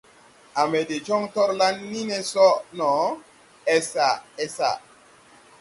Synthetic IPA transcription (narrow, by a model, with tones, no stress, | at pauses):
a˨mɛ˨de˨t͡ʃɔ˦ŋtɔ˦ɾla˦nːi˦nɛ˦sɔ˦nɔ˨ | ɛ˦sa˨ɛ˦sa̰˨